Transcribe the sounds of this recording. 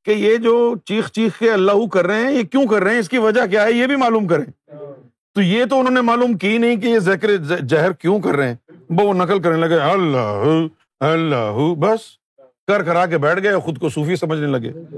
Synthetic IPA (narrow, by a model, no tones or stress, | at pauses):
kejed͡ʒoːt͡ʃiːxt͡ʃiːxkeɐlːaːɦukɐɾːeɦeɦɛ̃jekjõkɐɾːɐɦɛ̃ɪs̬kiʋɐd͡ʒakjaɦɛjebʱimaːluːmk̬ɐɾẽː | t̪ojet̪oʊnɦõːnemaːluːmkinɐɦĩk̬ejezɪkɾed͡ʒaɦɾkjõkɐɾːeeɛ̃ːbɐʋonɐkəlk̬ɐɾnelɐɡeɐlːaːɦu | ɐlːaːɦubɐs | kɐɾkɐɾaːk̬ebɛːʈʰɡɐeɔːxʊd̪kosuːfisɐməd͡ʒʱnelɐɡḛː